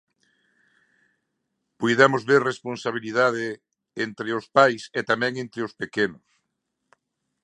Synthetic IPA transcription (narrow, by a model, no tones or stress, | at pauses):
pujðamʊzβeɾresponsaβ̞iliðaðe | ent̪ɾɪʊspajset̪amɛ̃ŋẽnt̪ɾɪʊspekenʊs